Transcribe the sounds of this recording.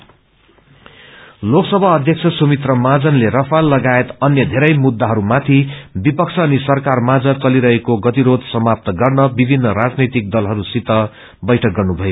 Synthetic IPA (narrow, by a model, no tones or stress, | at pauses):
loksʌbʱaʌd̪ʱjʌkt͡sʰʌsomit̪rʌmad͡zʌnlerʌpʰalːʌɡaet̪ʌnjʌd̪ʱeɾʌjmud̪ːaɦʌɾumat̪ʰibipʌkt͡sʰʌːnisʌrkarmad͡zʌt͡sʌliɾʌɦekoɡʌt̪iɾod̪sʌmap̚t̪ʌɡʌrnʌbibʱinːʌɾad͡znʌjt̪ik̚d̪ʌlɦʌɾusit̪ʌ | bʌjʈʰʌk̚ɡʌrnubʱʌjo